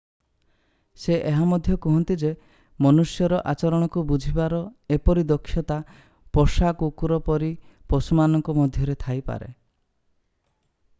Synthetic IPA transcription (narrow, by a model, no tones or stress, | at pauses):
seʔeɦamɔd̪ʱjɔkɔɦɔnt̪id͡ʒe | mɔnusjɔɾɔʔat͡ʃɔɾɔɽ̃ɔkubud͡ʒʱibaɾɔepɔɾid̪ɔkʰːjɔt̪a | pɔsakukuɾɔpɔɾipɔsumanɔŋkɔmɔd̪ʱjɔɾet̪ʰajpa̰ɾḛ